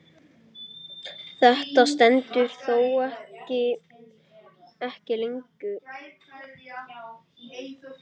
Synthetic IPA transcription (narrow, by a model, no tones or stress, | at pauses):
θɛht̪ast̪ɛnt̪ʏɾ̥θowɛhɪ | ɛhcɪleŋkʏ